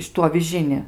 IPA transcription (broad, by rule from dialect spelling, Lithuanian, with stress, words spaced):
ˈʃʲɪtʊ ɐʋʲɪˈʒʲɪnʲɪ